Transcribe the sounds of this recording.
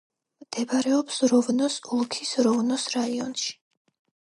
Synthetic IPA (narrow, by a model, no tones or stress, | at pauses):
md̪̥ɛbaɾɛɔpsɾɔvnɔsulˠkʰisɾɔvnɔsɾaiɔnʃi̥